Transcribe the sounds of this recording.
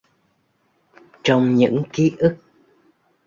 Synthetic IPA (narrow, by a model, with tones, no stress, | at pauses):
t͡ɕɔ˧wŋ͡mɲɨ̰˧˥ŋki˨˦ʔɨ˦˥k̚